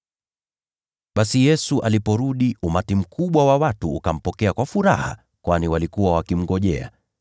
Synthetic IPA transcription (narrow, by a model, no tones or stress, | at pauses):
ɓasijɛsuʔalipɔɾuɗiʔumatim̩kʰuɓwawawatuːkam̩pɔkɛakwafuɾa̰ha̰ | kwaniwalikuwawakim̩ɡɔʄɛ̰a̰